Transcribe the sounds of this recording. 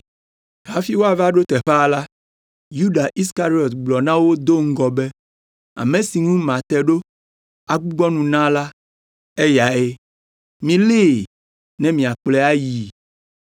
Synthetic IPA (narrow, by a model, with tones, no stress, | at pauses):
ɦa˦fi˦wo˦a˨va˦ɖo˦t̪ɛ˨ɸɛ˦˨la˦ | ju˦ɖa˨ʔi˦ska˦ɾi˦ɔ˨t̪ɡ͡blɔ˨nã˦wo˦d̪o˦ŋ̩˦ɡɔ˨bɛ˦ | a̰˨mẽ˨si˨ŋũ˦mã˨t̪ɛ˨ɖo˦ | a˨ɡ͡bu˦ɡ͡bɔ˦nũ˨nã˦la˦ | e˦ja˨e˦ | mĩ˨le˦˨ | nɛ̃˨mĩ˨a˨k͡plɛ˦a˦ji˨